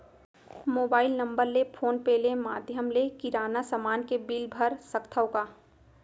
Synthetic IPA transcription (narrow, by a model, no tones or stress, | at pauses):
moːbaːɪlnə̃mbəɾlepʰoːnpeːlemaːd̪ʱjəmlekɪɾaːnasəmaːnkebilbʱəɾsəkt̪ʰəʊkaː